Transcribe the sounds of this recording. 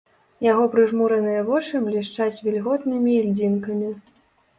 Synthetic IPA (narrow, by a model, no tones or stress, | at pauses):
jaɣɔpɾɨʐmuɾɐnɨjɐvɔt͡ʂɨblʲiʂt͡ʂat͡sʲvʲilʲɣɔt̪nɨmʲiːlʲd͡zʲinkɐmʲi